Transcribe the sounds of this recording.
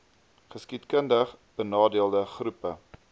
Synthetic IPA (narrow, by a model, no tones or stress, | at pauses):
χəskitkəndəχb̥ənɑːdiəlˠdəχrupə